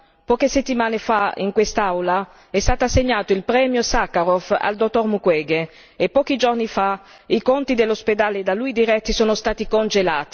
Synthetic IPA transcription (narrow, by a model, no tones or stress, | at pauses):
pɔːkeset̪ːimaːnefaḭŋkwest̪aawla | ɛst̪aːt̪aseɲːaːt̪oilpɾɛːmjosakːaɾofa̰ld̪ot̪ːormukwɛːɡe | epːɔːk̟id͡ʒornifa | ikont̪id̪elːosped̪aːled̪alujd̪iɾɛt̪ːisoːnost̪aːt̪ikond͡ʒelaːt̪i̥